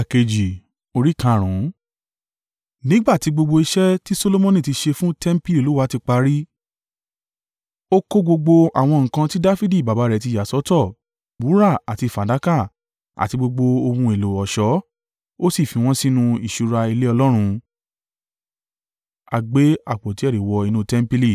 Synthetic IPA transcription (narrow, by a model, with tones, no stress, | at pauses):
a˨ke˨d͡ʒi˨ | o˧ɾi˦kã˨˧˨ɾ̃ũ˨˦ | nĩ˦ɡ͡ba˦˨ti˨˦ɡ͡bo˧ɡ͡bo˧i˧ʃɛ˦ti˦so˧lo˧mɔ̃˦nĩ˦˨ti˧˦ʃe˧fũ˦tɛ˦m̩˦pi˦li˨lu˨˦wa˨˦ti˧k͡pa˧ɾi˦ | o˦ko˦ɡ͡bo˧ɡ͡bo˧a˨w̃ɔ̃˧ŋ̩̃˨kã˧ti˦da˦fi˦di˦˨ba˨ba˨˦ɾɛ˨t̬i˧ja˨sɔ˨˦tɔ˦˨ | bu˨˦ɾa˦˨a˨ti˧˨fa˨˦da˨˦ka˦˨ | a̰˨ti˧ɡ͡bo˧ɡ͡bo˧o˧mũ˧e˨lo˨ɔ˨ʃɔ˨˦ | o˦si˦˨fĩ˨˧w̃ɔ̃˦sĩ˦nũ˧i˨ʃu˧ɾa˧i˧le˦ɔ˧lɔ˦ɾ̃ũ˧ | a˧ɡ͡be˨˦a˦˨k͡pɔ˨ti˦ɛ˦˨ɾi˨wɔ˧i˧nũ˦tɛ˦m̩˦pi˦li˦˨